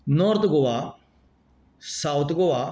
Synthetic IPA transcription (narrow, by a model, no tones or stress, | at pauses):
nɔɾt̪ɡoʋa | sawt̪ʰɡoʋa